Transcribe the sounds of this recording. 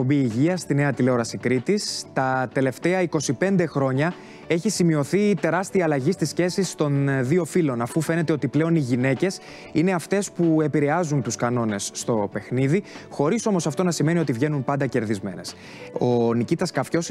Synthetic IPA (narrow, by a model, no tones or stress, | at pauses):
ombiːʝiɐst̪ine̞ɐt̪ileoɾɐsikɾit̪ist̪ɐt̪e̞le̞ft̪e̞ɐiko̞sipe̞nd̪e̞xɾo̞ɲɐ | e̞çisimio̞θit̪e̞ɾɐst̪iɐːlɐʝist̪isce̞sist̪o̞nðio̞filo̞nɐfufe̞ne̞t̪e̞o̞t̪iple̞o̞niʝine̞ce̞s | ine̞ɐft̪e̞spue̞piɾe̞ɐzunt̪uskɐno̞ne̞sːt̪o̞pe̞xniðixo̞ɾiso̞mo̞sɐft̪o̞nɐsime̞nio̞t̪ivʝe̞nunpɐnd̪ɐce̞ɾðizme̞̰ne̞̰s | o̞nicit̪ɐskɐfço̞s